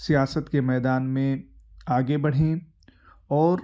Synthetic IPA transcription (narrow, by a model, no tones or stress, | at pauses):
sijaːsət̪kemɛːd̪aːnmẽaːɡebɐɽ̤ẽ | ɔːɾ